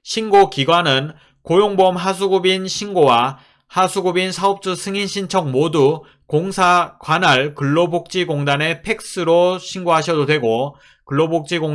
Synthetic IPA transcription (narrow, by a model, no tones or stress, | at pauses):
ɕʰinɡokiɡwanɯn | kojoŋbʌmɦas̬ʰuɡubinɕʰinɡowa | hasʰuɡubinsʰaop̚t͡ɕ͈usʰɯŋinɕʰint͡ɕʰʌŋ̚modu | koŋsʰakwanaɭkɯɭːobok̚t͡ɕ͈iɡoŋdane̞pʰe̞k̚s͈ɯɾoɕʰinɡoɦaɕʰʌdodwe̞ɡo | kɯɭːobok̚t͡ɕ͈iɡo